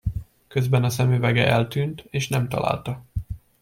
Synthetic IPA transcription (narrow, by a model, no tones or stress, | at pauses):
kø̞zbɛnɒsɛmyːvɛɡɛʔɛlt̪yːnt̪eːʃnɛmt̪ɒ̰la̰ːlt̪ɒ